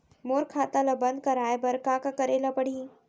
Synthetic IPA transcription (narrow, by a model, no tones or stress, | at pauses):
moːɾkʰaːt̪ãlɐbɐ̃nd̪̚kɐɾaːebɐɾkãːkakɐɾeːlapɐɽ̤iː